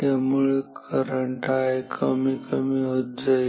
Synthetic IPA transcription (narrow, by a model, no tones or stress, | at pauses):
amuːɭkʰəɾəɳʈajkʰəmikəmiːɦot̪̚d͡za